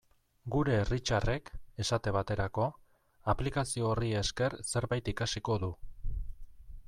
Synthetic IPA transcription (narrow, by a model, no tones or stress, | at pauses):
ɡuɾe̞ːrit͡ʃare̞ke̞sat̪e̞βat̪e̞ɾako̞ | aplikasio̞ːrie̞ske̞rse̞ɾβajt̪ikasiko̞ðu